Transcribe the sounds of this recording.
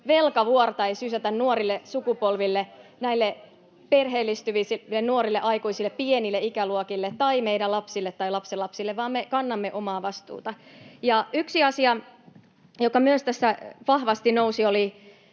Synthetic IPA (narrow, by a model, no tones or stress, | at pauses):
ʋelkɑʋuort̪ɑeisysæt̪ænnuoɾilːesukupolʋilːenæilːe | perɦeːlːist̪yʋisiennuoɾilːeʔɑikuisilːˑeppienilːeikæluokilːet̪t̪ːɑimeiɾælɑpsilːet̪ːɑilɑpselːɑpsilːeʋʋɑːmːekɑnːɑmːeʔomɑːʋɑst̪ṵːt̪ɑjɑyksiɑsiɑ | jokɑmyøst̪æsːæʋɑhʋɑst̪inousioli